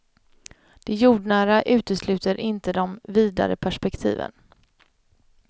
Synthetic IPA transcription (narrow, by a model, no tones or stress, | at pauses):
d̪̥ɛjuːɖɳæːɾaʔʉ̟ːt̪əslʉ̟ːt̪əɾʔɪnt̪əd̪ɔmviːd̪a̰ɾə̰pʰæʂpɛkt̪ʰḭːvə̰n